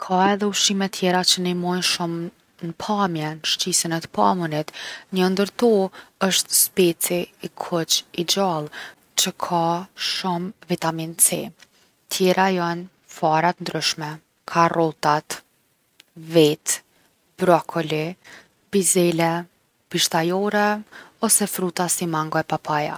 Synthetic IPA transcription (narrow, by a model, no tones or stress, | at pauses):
kʰaɛðɛuʃimɛt̪ʰjɛɾat͡ɕənimɔjnʃum | nəpʰamjɛnʃt͡ɕisənɛt̪ə̥pa̰munit̪ɲəənd̪əɾt̪ɔəʃt̪spɛt͡siːkʰɔt͡ʃid͡ʑalˠ | t͡ɕəkʰaʃumvit̪amint͡sḭ | t̪ʰjɛɾʔajan | faɾat̪nd̪ɾyʃmɛ | kʰarɔt̪at̪ | vit̪ | b̥ɾɔkʰɔli | bizɛlɛ | piʃt̪ajɔɾɛɔsɛfɾut̪asimaŋɡɔɛpapaja̰